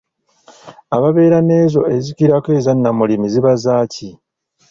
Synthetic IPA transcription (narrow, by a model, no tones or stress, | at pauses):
aβaβe̞ːɾane̞ːzo̞e̞zikiɾakeːzanːamulimiziβazaːci